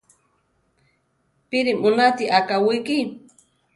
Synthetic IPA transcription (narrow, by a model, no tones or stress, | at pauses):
piɾimʊnat̪iʔakawiki